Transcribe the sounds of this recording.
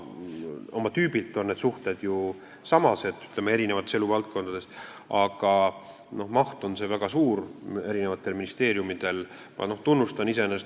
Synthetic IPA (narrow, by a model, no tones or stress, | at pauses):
o̞mɑt̪yːbilt̪ːˑo̞nne̞d̪suht̪e̞d̪̥ju | sɑmɑse̞d̪y̥t̪le̞mee̞ɾine̞vɑt̪ːese̞lːuvɑlt̪̚ko̞nd̪̥ɑd̪̥e̞sɑɡ̥ɑ | no̞hmɑht̪o̞nse̞væɡ̥ɑsuːɾe̞ɾine̞vɑt̪ːˑe̞lminist̪e̞ːɾjumid̪̥e̞l | mʔɑ̰no̞ht̪unːust̪ɑnisenes